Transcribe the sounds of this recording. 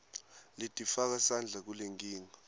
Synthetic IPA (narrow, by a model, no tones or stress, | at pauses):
litʼifak̬asand͡ɮʱak̬uleŋɡiːŋa